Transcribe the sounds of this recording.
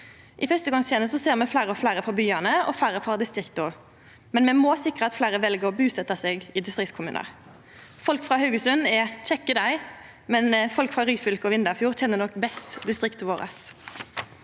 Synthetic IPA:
ʔɪfœst̪əɡɑŋst̪ʰjɛːnəsɔseːʁmɛflæɪɾəɔflæɪʁəfɔbyːɑnəɔ̰fæɪʁəfɔʁd̪ɪst̪ʁɪkt̪ʊ | mɛnmɛmɔsɪkːʁəɑt̪flæɪʁəʋɛlɡəɾɔbʉːsɛt̪ɑseːɡɪd̪ɪst̪ʁɪkt̪skʰʊmʉ̰ːnə̰ʁ | fɔlkfʁɑːhɑʉɡəsʉnɛc͡çɛkːəd̪æɪ | mɛnfɔlkfʁɑːʁyːfʏlkəɔʋɪnd̪əʁfjuːʁc͡çɛnːənɔkːbɛst̪d̪ɪst̪ʁɪkt̪ʰɪʋoːʁə̰s

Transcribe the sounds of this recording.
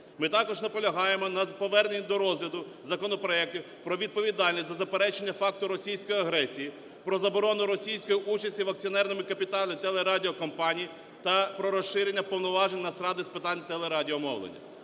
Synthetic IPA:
mɪt̪ɑkɔʒnɐpɔlʲɐɦɑjemɔnɐpɔʋɛrnenʲːɐd̪ɔɾɔzlʲɐd̪ʊ | zɐkɔnɔpɾɔɛk̚tʲiw | pɾɔʋʲid̪̚pɔʋʲid̪ɑlʲnʲisʲzɐzɐpeɾɛt͡ʃenʲːɐfɑk̚t̪ʊɾɔsʲijsʲkɔjiɐɦɾɛsʲiji | pɾɔzɐbɔɾɔnʊɾɔsʲijsʲkɔjiʔut͡ʃɐsʲtʲiʋɐk̚t͡sʲiɔnɛrnɔmɪkɐpʲit̪ɑlʲˠɪt̪ɛlˠeɾɑdʲiɔkɔmpɑnʲiji | t̪ɐpɾɔɾɔʃɪɾenʲːɐpɔwnɔʋɑʒenʲnɐsɾɑd̪ɪspɪt̪ɑnʲt̪ɛlˠeɾɑdʲiɔmɔ̰wlˠḛnʲːɐ̰

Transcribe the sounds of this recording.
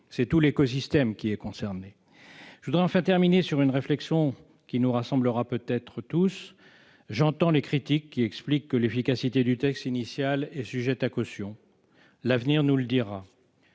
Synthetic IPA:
sɛt̪ulekɔs̬ist̪ɛmkʲiɛkɔ̃sɛʁne | ʒəvud̪ʁɛɑ̃fɛ̃t̪ɛʁminesyʁynʁeflɛksjɔ̃ | kʲinuʁasɑ̃bləʁapøt̪ɛt̪χət̪us | ʒɑ̃t̪ɑ̃lekχit̪ikːiɛksplikːəlefikasit̪ed̪yt̪ɛkst̪inisjalɛsyʒɛt̪akɔsjɔ̃ | lavniʁnuləd̪iʁa

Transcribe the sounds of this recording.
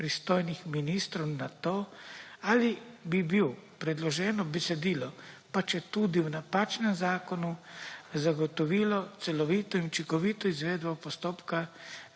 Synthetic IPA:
pɾist̪oːjnixminiːst̪ɾɔwnat̪oːaːlibibiwpɾɛd̪lɔʒɛːnɔbɛsɛd̪iːlɔpat͡ʃjɛt̪ud̪iwnapaːt͡ʃnɛmzaːkɔnuzaɡɔt̪ɔʋiːlɔt̪sɛlɔʋit̪ɔinut͡ʃiŋkɔʋiːt̪ɔizʋeːd̪bɔpɔst̪oːpka

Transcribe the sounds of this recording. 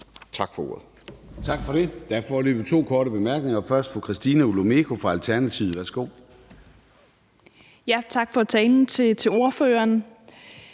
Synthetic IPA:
t͡sʰɑ̈ɡ̥fɒo̝̰ːɐ̰ð̩ˠ | t͡sʰɑ̈ɡ̥fɒ̽ɾ̥e̝d̥æɐfɒlø̰ːb̥ət͡sʰo̝̰ːkʰɒːɾəb̥e̝mæɐɡ̥ne̝ŋɐfɶɐsd̥fɒ̽kʰʁɛsd̥inæulo̝mekʰo̝fʁɑ̈ælt͡sʰæɐnæt͡sʰið̩ˠʋæɐsɡ̥o̝̰ː | jæt͡sʰɑ̈ɡ̥fɒ̽t͡sʰɛːnn̩t͡sʰe̝t͡sʰe̝o̝ɐføːɐn

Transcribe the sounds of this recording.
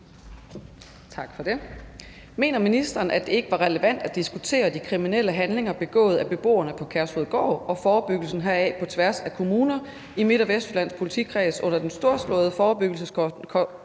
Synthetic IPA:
t͡sʰɑ̈ɡ̥fɒ̽d̥e̝ | me̝̰ːnɐminisd̥ɐːn̩ʔæd̥e̝e̝ɡ̥əʋɑ̈ʁɛləʋæn̰d̥æ̥d̥isɡ̥ut͡sʰe̝̰ːɐd̥ikʰʁiminel̰əɦænle̝ŋɐb̥e̝ɡ̥ɔ̰̽ːð̞̩ˠæb̥e̝b̥o̝̰ːɐnəpʰɒ̽kʰæɐsoðˠɡ̥ɒ̰ːɒ̽fɒːb̥yɡ̥l̩sn̩ɦæɐ̰ɛ̰pʰɒ̽t͡sʰʋæɐsækʰo̝muːnɐ | ime̝d̥ɒʋesd̥læn̰spʰo̝li̥t͡sʰiɡkʰʁɛːsɔ̽n̰ɐd̥ensd̥o̝ɐ̰slɔ̰̽ːð̞ˠfɒːb̥yɡ̥l̩sə

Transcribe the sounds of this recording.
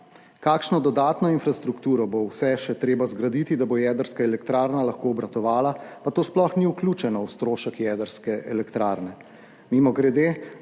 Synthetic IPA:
kaːkʃnɔd̪ɔd̪aːt̪nɔinfɾast̪ɾukt̪uːɾɔbowsɛʃɛt̪ɾeːbazɡɾad̪it̪id̪abojɛːd̪əɾskaɛlɛkt̪ɾaːɾnalaxkoːbɾat̪ɔʋaːlapat̪oːsplɔxniwklʲuːt͡ʃɛnɔwst̪ɾoːʃəkjɛd̪əɾskɛʔɛ̰lɛkt̪ɾaːɾnɛ | mimɔɡɾɛd̪eː

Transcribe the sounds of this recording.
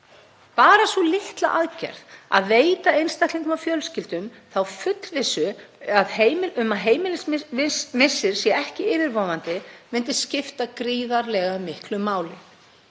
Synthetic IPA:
paːɾasvɔlɪht̪la̰ʔaðcɛ̰ɾ̥ða̰ðveːjt̪aejnst̪akt̪liŋkʏmafjœlscɪlt̪ʏm | θawfʏt̪lvɪsʏaðheːjmɪʏmaðɦeːjmɪlɪsmɪsːɪɾ̥sjɛɛhcɪɪːvɪɾvɔːvant̪ɪmɪnt̪ɪscɪft̪akɾiːðaɾlɛɣamɪhklʏmːaːwlɪ

